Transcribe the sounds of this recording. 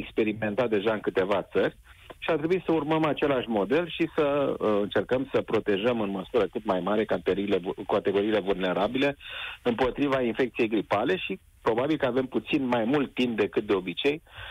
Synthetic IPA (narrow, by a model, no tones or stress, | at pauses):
ekspe̞ɾime̞nt̪at̪̚d̪e̞ʒaɨŋkɨt̪e̞vat̪səɾʲ | ʃiat̪ɾebuisəurməmat͡ʃe̞laʃʲmo̞d̪e̞lʃisəɨnt͡ʃe̞rkəmsəpɾo̞t̪e̞ʒəmɨnməsuɾəkɨt̪majmaɾe̞kat̪eɾiːlekat̪e̞ɡo̞ɾiːle̞vulne̞ɾabile̞ɨmpo̞t̪ɾivainfe̞k̚t̪sije̞jɡɾipale̞ʃi | pɾo̞babilkəave̞mput̪sinmajmult̪ːimp̚d̪e̞kɨt̪̚d̪e̞o̞bit͡ʃe̞j